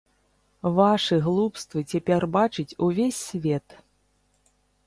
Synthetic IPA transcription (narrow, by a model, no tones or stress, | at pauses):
vaʂɨɣlˠupst̪vɨt͡sʲapʲɛrbat͡ʂɨt͡sʲuvʲesʲːvʲɛt̪